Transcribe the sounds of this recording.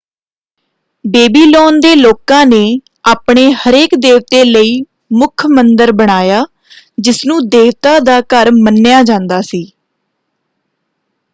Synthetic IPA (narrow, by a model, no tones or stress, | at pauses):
beːbiːloːnd̪eːloːkãːneː | aːpɳeːhəɾeːkd̪eːʋt̪eːləiː | mʊkʰmənd̪əɾbəɽ̃aːjaː | d͡ʒɪsnũːd̪eːʋt̪ãːd̪aːkəɾmənːɪjaːd͡ʒãːnd̪aːsiː